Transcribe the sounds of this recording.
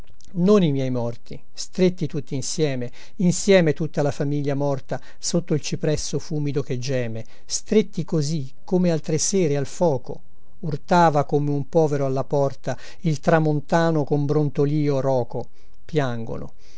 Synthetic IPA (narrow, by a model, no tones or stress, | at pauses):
nonimjɛjmɔrt̪i | st̪ɾet̪ːit̪ut̪ːiːnsjɛːme | insjɛːmet̪ut̪ːalafamiʎːamɔrt̪a | sot̪ːoilt͡ʃipɾɛsːofuːmid̪ok̟ed͡ʒːɛːme | st̪ɾet̪ːikozi | kʰːomealt̪ɾeseːɾealfɔːko̰ | urt̪aːvakomeumpɔːveɾoalːapɔrt̪a | ilt̪ɾamont̪aːnokombɾont̪oliːorɔːko | pjaŋɡo̰no̰